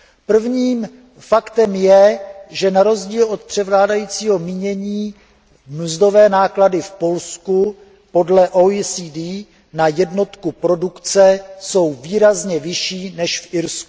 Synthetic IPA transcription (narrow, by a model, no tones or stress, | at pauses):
pr̩vɲiːm | fakt̪ɛmjɛʒɛnaɾo̞zɟiːlo̞t̪̚pr̝̥ɛvlaːdajiːt͡siːɦo̞miɲɛɲiː | m̩zdo̞vɛːnaːkladɪfpo̞lsku | po̞dlɛʔoisiːdiː | najɛdno̞t̪kupɾo̞dukt͡sɛso̞wviːɾazɲɛvɪʃiːnɛʃfʔɪɾsku̥